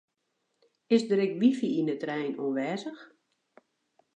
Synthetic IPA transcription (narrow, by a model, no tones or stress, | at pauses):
ɪsdəɾɪkʋifiinətrɛjnonʋɛːzəx